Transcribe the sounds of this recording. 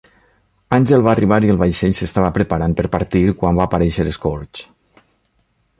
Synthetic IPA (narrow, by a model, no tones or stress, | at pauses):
anʲʒelˠβaːriβaɾielˠβajʃeʎsest̪aβapɾəpaɾanpəɾpaɾt̪iɾkwambaːpaɾɛʃəɾeskoɾt͡ʃ